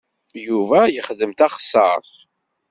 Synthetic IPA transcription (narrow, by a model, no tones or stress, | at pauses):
juvæjəχd̪əmt̪æχsːə̰ɾˤθ